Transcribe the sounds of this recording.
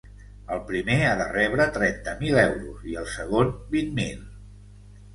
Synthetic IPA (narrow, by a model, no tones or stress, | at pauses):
əlˠpɾimeaðərɛβɾət̪ɾɛnt̪əmilɛwɾṵziəlˠsəɣonbinmilˠ